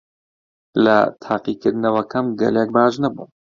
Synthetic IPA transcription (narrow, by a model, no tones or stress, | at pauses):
lɐ̰t̪ʰaːqiːkɨɾd̪ɨnɐwɐkʰɐmɡɐ̰lek̚baːʒnɐbṵːn